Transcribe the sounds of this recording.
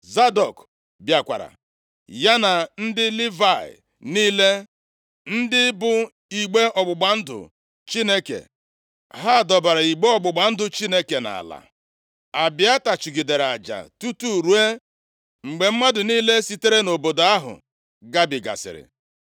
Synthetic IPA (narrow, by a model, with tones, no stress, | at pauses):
za˦dɔ˨k | bja˨kʷa̰˨ɾa̰˨ | ja˦na˨n̩˦dɪ˦li˦va˦˨ɪ̰˨ | niː˦le˦ | n̩˦dɪ˦bʊ˨ | i˨ɡ͡be˦ʔɔ˨ɡ͡bʊ˨ɡ͡ba˨n̩˦dʊ̰˨ | t͡ʃi˦ne˦kḛ˨ | ɦa˦˨dɔ˨ba˨ɾa˨i˨ɡ͡be˦ɔ˨ɡ͡bʊ˨ɡ͡ba˨n̩˦dʊ˨t͡ʃi˦ne˦ke˨na̰˨la̰˨ | a˨bɪ˨˦a˦ta˨t͡ʃi˨ɡi˨de˨ɾa˨d͡ʒa̰˨tu˦tu˦˨ɾu˦e˦ | ŋ͡m̩˨ɡ͡be˨m̩˦ma˦dʊ˨niː˦le˦si˦te˦ɾe˦no˨bo˨do˨a˦ɦʊ̰˨ | ɡa˦bɪ˨ɡa̰˨sɪ̰˨ɾɪ̰˨